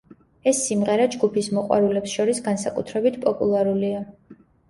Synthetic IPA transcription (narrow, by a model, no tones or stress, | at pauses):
ɛsːimʁɛɾad͡ʒɡupʰismɔqʼwa̰ɾulɛpsʃɔɾisɡansakʼut̪ʰɾɛbit̪ʰpʼɔpʼṵlˠaɾulia